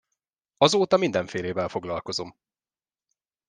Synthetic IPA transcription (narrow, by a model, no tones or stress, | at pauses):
ɒzoːt̪ɒmind̪ɛɱfeːleːvɛlfo̞ɡlɒlko̞zo̞m